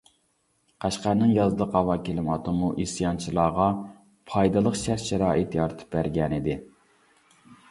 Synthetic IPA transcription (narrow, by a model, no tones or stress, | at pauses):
qʰæʃqæɾnɨŋjɑzd̪əqɑwɑkʲʰelɪmɑt̪ʰɨmuʔisjɑnt͡ʃʰilˠɑːʁɑ | pʰɑjd̪ɑlˠəqʃæɾʃɛɾɑːʔɪt̪jɑɾɨt̪ʰɨ̥p̚bæɾɡʲɛnɪd̪ɪ